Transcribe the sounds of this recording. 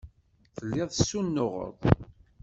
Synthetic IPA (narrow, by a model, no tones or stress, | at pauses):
θəlːɪðˤsːunːʊʁə̰ɾˤ